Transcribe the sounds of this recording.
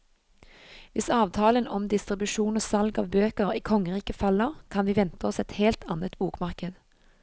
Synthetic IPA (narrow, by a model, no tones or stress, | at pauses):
ʋɪsɑːʋt̪ʰɑːlənɔmd̪ɪst̪ʁɪbʉʃuːnoːsɑlɡɑːʋbøːkəʁiːkʰɔŋəʁiːkəfɑləʁkʰɑnʋiːʋɛnt̪əɔsɛt̪heːlt̪ʰɑnət̪buːkmɑʁkəd̪